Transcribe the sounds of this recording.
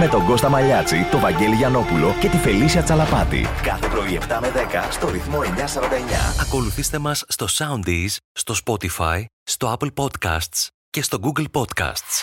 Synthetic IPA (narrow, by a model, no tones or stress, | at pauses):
me̞t̪o̞ŋɡo̞st̪ɐmɐʎɐt͡sit̪o̞vɐɲɟe̞liʝɐno̞pulo̞ce̞t̪ife̞lisiɐt͡sɐlɐpɐt̪ḭkɐθe̞pɾo̞ie̞ft̪ɐme̞ðe̞kɐst̪o̞ɾiθmo̞e̞ɲɐsɐɾɐnd̪ɐe̞ɲɐ̰ɐko̞luθist̪e̞mɐsːt̪o̞sɐund̪isst̪o̞spo̞t̪ifɐjst̪o̞ɐplpo̞d̪kɐ̰st̪s | ce̞st̪o̞ɡuɡlpo̞d̪kɐ̰st̪s